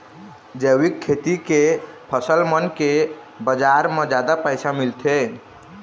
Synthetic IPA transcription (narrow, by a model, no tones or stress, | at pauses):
d͡ʒəwikʰːet̪ikepʰəsəlmənke | bəd͡ʒaɾmẽd͡ʒad̪apəjsamilt̪ʰe